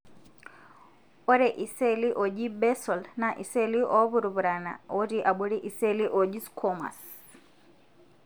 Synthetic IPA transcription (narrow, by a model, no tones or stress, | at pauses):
ɔɾɛʔisɛliʔɔd͡ʒibɛsɔlnaʔisɛliʔɔβuɾuβuɾana̰ɔɾiʔaɓɔɾiʔisɛliʔɔd͡ʒiskʰɔma̰s